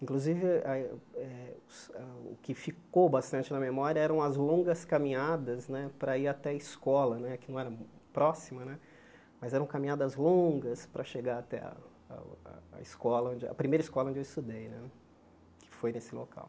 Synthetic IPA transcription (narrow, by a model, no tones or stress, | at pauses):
ĩŋkluzivɪaɛʊsaʊ̰kɪfikowbast̪ɐ̃nt͡ʃɪnɐmemɔɾjiɐɛɾɐ̃w̃ɐzlõɡɐskɐmĩɲad̪ɐznɛpɾɐiɾat̪ɛɐiskɔlɐnɛkɪnɐ̃w̃ɛɾɐpɾɔsimɐnɛ | mɐzɛɾɐ̃w̃kamĩɲad̪ɐzlõɡɐspɾɐʃeɡaɾat̪ɛ̰ɐ̰ | ɐ̰iskɔlɐõd͡ʒɪɐ̰pɾimejɾɐɪskɔlɐõd͡ʒewɪst̪ud̪ejnɛ | kʰɪ̥fojnesɪlo̰ka̰w